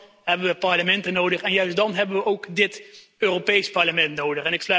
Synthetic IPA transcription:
ɦɛbənʋəpɑɹləmɛntənowdəχɛnjœɥstdɑnɦɛbənʋəʔowkdɪt | øːropejspɑɹləmɛntnowdəχɛnɪkslœ

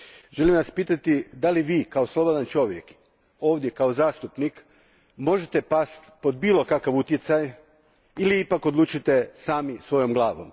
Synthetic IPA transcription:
ʒelimʋaspiːt̪at̪id̪aliʋiːkaoslˠo̞bo̞d̪ant͡ʃo̞ʋjek | o̞ːʋd̪je̞kaozaːst̪upnik | mo̞ʒet̪e̞past̪po̞d̪biːlo̞kakaʋut̪jet̪saj | iliipako̞d̪luːt͡ʃit̪e̞saːmisʋo̞jo̞mɡlˠaːʋo̞m

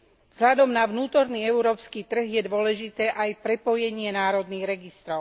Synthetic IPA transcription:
vz̥ɦlʎad̪ɔmnaʋnuːt̪ɔɾniːɛʊɾɔːpskiːt̪r̩ɦjɛd̪ʊɔlɛʒit̪ɛːʔajpɾɛpɔjɛɲɪɛnaːɾɔd̪niːɣɾɛɡist̪ɾɔʊ

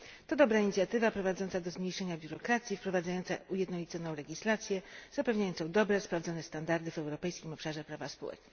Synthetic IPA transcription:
t̪ɔd̪ɔbɾaiɲit̪sʲjat̪ɘvapɾɔvad̪zɔnt̪sad̪ɔzmɲejʂɛɲabʲjuɾɔkɾat̪sʲjifpɾɔvad̪zajɔnt̪saujɛd̪nɔlʲit̪sɔnɔ̃w̃lɛɡʲislat̪sʲjɛz̥apɛvɲajɔnt̪ɔ̃w̃d̪ɔbɾɛspɾavd̪zɔnɛst̪and̪aɾd̪ɘvɛwɾɔpɛjskʲimɔpʂaʐɛpɾavaspɔ̰wɛ̰t͡ʂnɛ

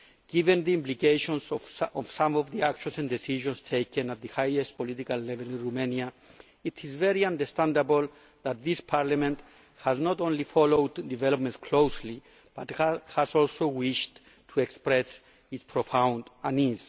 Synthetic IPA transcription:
ɡ̥ivẽnðiĩmplikejʃõnsɔv̥sãmɔvðiakʃõnsɛ̃ndesiʒõnstʰejkʰẽnat̪̚ðəhajest̚pʰolitikalːɛvelĩnɹumenja | itʰizvɛɹiãndəstãndabol | ðat̪̚ðispʰaɹlamẽnt | haznɔtõnlifɔlowd̪divɛlop̚mẽntskʰlowsli | b̥at̪hasɔlsowiʃt | tʰuekspɹɛs | itspʰɹofãw̃ndaniz̥

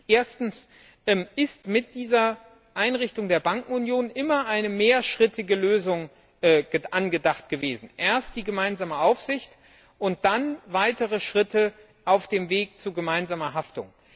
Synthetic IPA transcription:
ʔeːɐstn̩s | ʔɛmʔɪstmɪt̚d̥iːzɐ | ʔaɪnʁɪçtʊŋdeːɐbaŋkŋ̩ʊnjoːnʔɪmɐʔaɪnəmeːɐʃʁ̥ɪtɪɡəløːzʊŋ | ʔɛːɡəʔanɡədaχtɡ̥əveːzn̩ʔeːɐst̚d̥iːɡəmaɪnzaːməʔaʊfz̥ɪçt | ʔʊnt̚d̥anvaɪtəʁ̞əʃʁ̥ɪtə | ʔaʊfd̥eːmveːk̚t͡suɡəmaɪnzaːmɐɦaftʊ̰ŋ

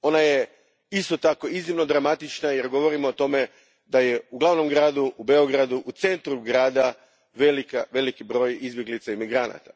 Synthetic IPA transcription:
o̞naje | ist̪ot̪ako̞iznimno̞d̪ɾamat̪it͡ʃnaje̞ɾɡo̞ʋo̞ɾimoːt̪o̞me̞ | d̪aje̞uɡlaʋno̞mɡɾaːd̪uube̞o̞ɡɾad̪uʔut̪se̞nt̪ɾuɡɾaːd̪a | ʋelikaʋe̞likibɾo̞ːjizbje̞ɡlit̪saimiɡɾana̰t̪ḁ

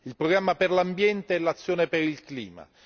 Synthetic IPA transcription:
ilpɾoɡɾamːaperlambjɛnt̪eɛlːat̪sːjoːnepeɾilklḭːma̰

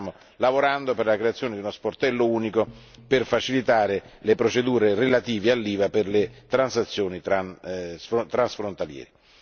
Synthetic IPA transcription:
mo | lavoɾand̪operlakɾeat̪sːjoːned̪iunosport̪ɛlːouːniko | pɪrfat͡ʃilit̪aːɾelepɾot͡ʃed̪uːɾerelat̪iːvealːiːvaperlet̪ɾansat̪sːjoːnit̪ɾansft̪ɾansfɾont̪aljɛ̰ːɾe

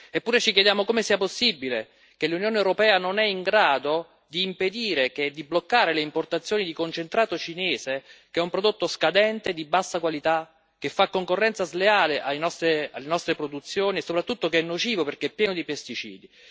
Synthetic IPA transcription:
epːuːɾet͡ʃik̬jed̪jaːmokomesiːaposːibːile | kelːunjoːnewɾopɛːanonɛiŋɡɾaːd̪o | d̪iːmped̪iːɾek̟ed̪iblokːaːɾeleimport̪at̪sːjoːnid̪ikont͡ʃent̪ɾaːt̪ot͡ʃineːzek̟eɛumpɾod̪ot̪ːoskad̪ɛnt̪ed̪ibasːakwalit̪a | k̟ːefːakːoŋkorːɛnt̪sazleaːleʔajnɔst̪ɾealːenɔst̪ɾepɾod̪ut̪sːjoːniesːopɾat̪ːut̪ːokeɛnːot͡ʃiːvoperk̟eɛpːjɛːnod̪ipest̪it͡ʃḭːd̪i

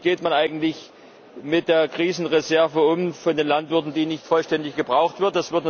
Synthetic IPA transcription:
ɡ̥eːtmanʔaɪɡŋ̩tlɪç | mɪt̚d̥eːɐkʁ̥iːzn̩ʁezɛɐvəʊmfɔndeːnlantv̥ɪɐtn̩diːnɪçtfɔlʃtɛndɪçɡ̥əbʁaʊxtv̥ɪɐt̚d̥asv̥ɪɐt

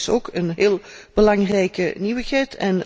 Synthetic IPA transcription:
so̰ːkənɦeːlˠb̥əlɑŋrɛjkəniwəxɛjtʰɛn

